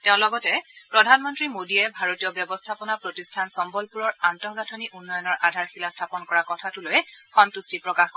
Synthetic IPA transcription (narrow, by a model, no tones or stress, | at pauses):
teʊ̃lɔɡɔtɛpɹɔdʱanmɔntɹimodiɛbʱaɹotiɔbjɔbɔstʰapɔnapɹotistʰansɔmbɔlpuɹɔɹantɔɦɡatʰɔniʔunːɔjɔnɔɹʔadʱaɹxilastʰapɔnkɔɹakɔtʰatulojɛxɔntustipɹɔkaxk